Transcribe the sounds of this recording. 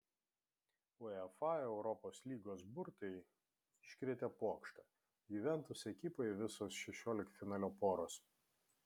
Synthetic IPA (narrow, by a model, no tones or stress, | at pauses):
oɛfɑɛʊɾɔpoːslʲiːɡoːsbʊɾt̪ɐɪ | ʃʲkʲɾʲiɛt̪ʲɛpuɔkʃt̪ɑ | ɡʲiːʋʲɛnˑt̪ʊsɛkʲɪpoʋʲɪsoːsʃʲɛʃʲoːlʲɪkfʲɪnɑːlʲoːpoːɾoːs